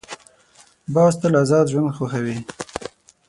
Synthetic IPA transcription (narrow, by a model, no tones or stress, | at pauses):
bɑːzt̪əlazɑːd̪ʒwand̪xoxawi